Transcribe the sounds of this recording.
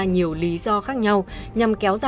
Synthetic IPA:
ɲi˨˩əwli˨˦zɔ˧xaː˦˥k̚ɲa˧w | ɲa˨˩mkɛ˨˦wza˧

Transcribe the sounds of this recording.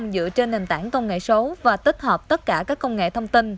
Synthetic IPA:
zɨ̰˧˨ət͡ɕe˧nːe˨˩nt̪aː˧˩ŋkə˧wŋ͡mŋḛ˧˨sə˨˦vaː˨˩t̪ə˦˥t̚həː˨˩p̚t̪ə˦˥t̚kaː˧˩kaː˦˥kːə˧wŋ͡mŋḛ˧˨t̪ʰə˧wŋ͡mt̪i˧n

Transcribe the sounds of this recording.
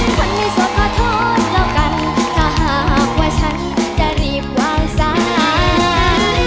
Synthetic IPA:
t͡ɕʰa˧˥˩nmiː˧˩so˨˦npʰaː˧˩t̪ʰoː˧˩t̪̚laː˧˩wka˧n | t̪ʰaː˧˩ɦaː˨˦a˨˦k̚waː˧˩t͡ɕʰa˦˥n | t͡ɕa˧˩ɾiː˧˩p̚waː˧ŋsa˧aː˨˦

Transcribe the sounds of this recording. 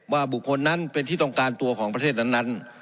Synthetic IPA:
waː˧˩bu˨˩kʰːo˧nːa˦˥˨npe˧nt̪ʰiː˥˩t̪ɔ˧˩ŋkaː˧nt̪u˧ɐkʰɔː˩˦ŋpa˧tʰeː˥˩t̪̚na˧˥˨nːa˦˧˥n

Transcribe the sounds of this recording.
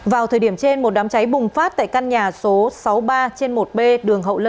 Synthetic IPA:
vaː˨˩wt̪ʰəː˨˩jɗi˧˩əmt͡ɕe˧nmo˨˩t̚ɗaː˨˦mt͡ɕa˨˦jɓʊ˨˩ŋ͡mfaː˦˥t̚t̪a̰ː˧˨jka˧nɲaː˨˩so˨˦sa˨˦wɓaː˧t͡ɕe˧nmo˨˩t̚ɓe˧ɗɨ˨˩əŋɦə̰˧˨wlə˧

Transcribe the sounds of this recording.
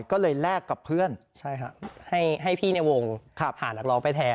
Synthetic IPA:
jkɔː˥˩lɤː˧jlɛː˥˩kːa˨˩pʰɯ˥˩ənt͡ɕʰa˥˩jkʰa˦˥ʔha˥˩jɦa˥˩jpʰiː˥˩na˧jwo˧ŋkʰaː˧˨˩p̚ʰːaː˨˩˦nːa˦˧k̚lɔː˧˥ŋpa˧jt̪ʰɛː˧

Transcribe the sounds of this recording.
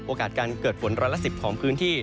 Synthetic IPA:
ʔoː˧kaː˨˩t̪̚kaː˧nkɤː˨˩t̪̚pʰo˩˦nɾɔː˧jlːa˥si˨˩p̚kʰɔː˩˦ŋpʰɯː˦˥nt̪ʰiː˥˩

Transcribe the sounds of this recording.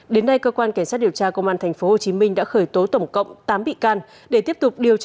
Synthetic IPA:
ɗe˨˦nːa˧jkəː˧kwaː˧nka˧˩jŋsa˦˥t̚ɗi˨˩əwt͡ɕaː˧kə˧wŋ͡mʔaː˧nt̪ʰɛ˨˩ŋ̟fo˨˦ho˨˩t͡ɕi˨˦mï˧ŋ̟ɗa̰ː˧˥xəː˧˩jt̪o˨˦t̪ə˧˩wŋ͡mkə̰˧˨wŋ͡mt̪aː˨˦mɓḭ˧˨kaː˧n | ɗe˧˩t̪i˦˥əp̚t̪ʊ˨˩k͡p̚ɗi˨˩əwt͡ɕ

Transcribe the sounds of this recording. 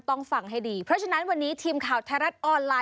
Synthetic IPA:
t̪ɔ˥˩ŋfa˨˩ŋɦa˥˩jdiː˧pʰɾɔ˦˥t͡ɕʰa˧na˦˥nwa˧nːiː˦˥t̪ʰiː˧mkʰaː˨˩wt̪ʰɛ˧˦˥ɾa˦˥t̪̚ʔɔː˧nlaː˧

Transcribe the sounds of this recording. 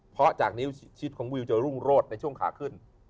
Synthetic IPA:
pʰɾɔ˦˥t͡ɕaː˨˩k̚niː˦˥t͡ɕʰi˦˥t̪̚kʰɔː˩˦ŋwi˧wt͡ɕa˨˩ɾu˥˩ŋɾoː˥˩t̪̚na˧jt͡ɕʰu˥˩əŋkʰaː˨˩˦kʰɯ˥˩n

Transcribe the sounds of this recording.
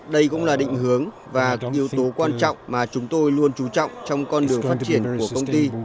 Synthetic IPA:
ɗə˧jkʊ̰˧˥ŋ͡mlaː˨˩ɗḭ˧˨ŋ̟ɦɨ˨˦əŋ | vaː˨˩ʔʔi˨˦əwt̪o˨˦kwaː˧nt͡ɕɔ̰˧˨wŋ͡mmaː˨˩t͡ɕʊ˨˦ŋ͡mt̪o˧jlu˧ənt͡ɕu˨˦t͡ɕɔ̰˧˨wŋ͡mt͡ɕɔ˧wŋ͡mkɔ˧nɗɨ˨˩əŋfaː˦˥t̚t͡ɕi˧˩ənku˧˩əkə˧wŋ͡mt̪i˧

